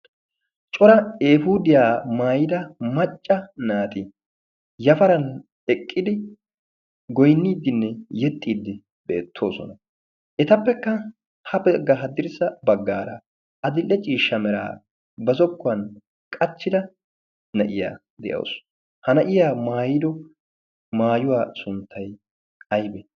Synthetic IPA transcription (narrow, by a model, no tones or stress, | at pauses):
t͡ʃʼɔɾɐeːfud̪ɪjaːmaːjɪd̪ɐmɐt͡ʃʼːɐnaːt̪ɪ | jɐfɐɾɐn | ɛkʼːɪd̪ɪ | ɡɔjnːiːd̪ːɪnːɛjɛt̪ʼːiːd̪ːɪ | b̥ḛːt̪ʰːo̞̰ːsɔnɐ | ʔɛt̪ɐpːɛkːɐ | hɐpɛɡːɐɦɐd̪ːɪɾsɐbɐɡːaːɾɐ | ʔɐd̪ɪlːɛt͡ʃʼiːʃːɐmɛɾa̰ː | bɐzɔkːʊɐn | kʼɐt͡ʃːɪd̪ɐ | nɐʔɪja̰ː | d̪ɛ̰jɐ̰ws | hɐnɐʔɪjaːmaːjɪd̪ɔ | maːjʊwaːsʊnt̪ʰːɐj | ɐjbɛ